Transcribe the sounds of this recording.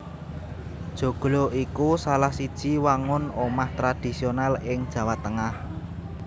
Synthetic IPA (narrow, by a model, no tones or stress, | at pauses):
d̥ʒ̥o̤ɡ̥loikusalahsid̥ʒ̥i̤waŋʊnomaht̪ɾad̥i̤sionalɪŋd̥ʒ̥ä̤wat̪ːəŋah